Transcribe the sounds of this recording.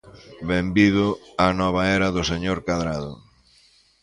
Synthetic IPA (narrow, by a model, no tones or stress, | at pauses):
βembiðʊanɔβ̞aɛɾɐðʊseɲoɾkaðɾaðʊ